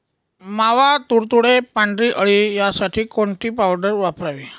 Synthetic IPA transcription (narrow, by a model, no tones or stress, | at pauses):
maʋat̪uɾt̪uɽepaɳɖɾiːʔəɭiːjasaʈʰiːkoɳʈiːpawɖəɾʋapɾaʋiː